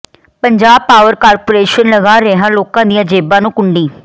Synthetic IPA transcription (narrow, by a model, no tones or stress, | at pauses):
pəɲd͡ʒaːb̚paːʋəɾkaːɾpoːɾeːʃənləɡaːɾɛɦãːloːkãːd̪ɪjãːd͡ʒeːbãːnũːkʊɳɖiː